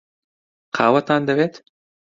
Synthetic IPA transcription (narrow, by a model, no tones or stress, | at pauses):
qʰɑːwɐt̪aːnd̪ɐβeːt̪